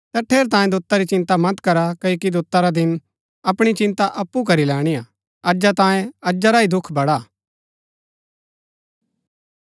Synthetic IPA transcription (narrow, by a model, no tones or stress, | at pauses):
t̪ɛʈʰeːɾt̪ãːjẽd̪ʊt̪ːaɾit͡ʃɪ̃nt̪amɐt̪kɐɾakɐokid̪ʊt̪ːaɾad̪ɪn | ɐpɽ̃it͡ʃɪ̃nt̪aʔɐpːukɐɾilɛːɽ̃ija | ɐd͡ʒat̪ãːjẽɐd͡ʒaɾaid̪ʊkʰbɐɽaː